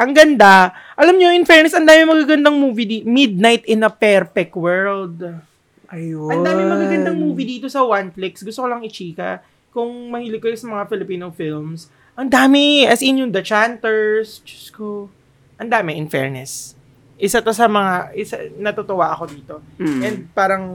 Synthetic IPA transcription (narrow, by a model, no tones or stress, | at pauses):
ʔɐŋɡɐnd̪aʔɐlamɲoʔɪnfɛɹnɛsɐnd̪aːmɪmɐɡaɡɐnd̪aŋmuːvid̪imɪd̪̚najt̪ʔɪnɐpɛɾpɛk̚t̪wɛɹld̪̚ | ʔɐjɐnd̪aːmɪmɐɡaɡɐnd̪aŋmuːvid̪iːt̪o̞sɐwanflɪksɡʊst̪okolɐŋɪt͡ʃiːkɐ̰ | kʊŋmɐhiːlɪɡ̚kːɐjosɐmɐŋafɪlɪpiːnowfɪlms | ʔɐŋd̪aːmɪɐsɪnjoŋd̪ɐt͡ʃant̪ɛɹsd͡ʒʊ̥sko | ʔɐnd̪aːmɪʔɪnfɛ̰ɹnɛs | ʔɪsɐt̪osɐmɐŋaʔɪsa̰nɐt̪ot̪owaʔɐko̞d̪iːt̪o̞ʔɛnd̪̚paːɾɐŋ